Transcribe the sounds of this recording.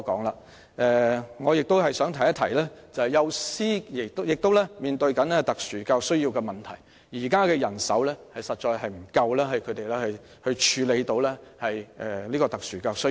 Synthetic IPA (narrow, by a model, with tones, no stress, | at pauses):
kɔ̰ː˨˥ŋlaː˧ | ʔɛ˨˧ŋɔː˨˧jɪ˨k̚t̪o˥wɦɐ˨jsœː˨˥ŋt̪ʰɐ˨˩jɐ˥t̪ʰɐ˨˩jlɛː˥t͡sɐ˨whɐ˨jɐ˨˧wsiː˥jɪ˨˩k̚t̪wjɪ˨k̚t̪o˥wlɛː˥miː˨nt̪ɵ˧ɥkɐ˨˥nlɛ˥t̪ɐ˨k̚syː˨˩kaː˧wsɵ˥ɥji˧wkɛː˧mɐ˨˩nt̪ʰɐ˨˩j | jiː˨˩kaː˥kɛː˧jɐ˨˩nsɐ̰˨˥wlɛː˥hɐ˨jsɐ˨t̚t͡ʃɔː˧jhɐ˨jm̩˨˩kɐ˧wlɛː˥ɦɐ˨jkʰɵ˨˧ɥt̪e˨jlɛː˥hɵ˧ | hɵ˧ɥt͡ʃʰyː˨˧le˨˧jt̪o˨˧˥wlɛː˥hɐ˨jʔɛː˨˩liː˥kɔː˧t̪ɐ˨k̚syː˨˩kaː˧ws